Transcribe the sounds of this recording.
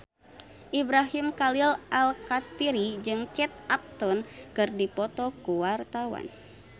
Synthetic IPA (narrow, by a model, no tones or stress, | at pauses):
ʔibɾaɦimkalilʔalkat̪iɾid͡ʒɨŋt͡ʃɛt̪̚ap̚t̪ɔnkɨrdipɔt̪ɔkuwart̪awa̰n